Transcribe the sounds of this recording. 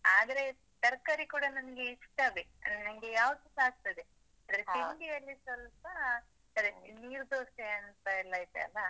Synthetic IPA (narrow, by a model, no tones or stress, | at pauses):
aːd̪ɐɾe̞ | t̪ɐɾkaːɾikuːɽɐnɐnɐɡeiʂʈ̪abenɐmɡejaːʋɐt̪usaːɡ̚t̪ɐd̪e | aːd̪ɐɾet̪indijɐlːisʋɐlpɐ | ɐɾeniːɾd̪oːsʈeɐnɐst̪ɐɛlːaːjt̪eɐ̰lːɐ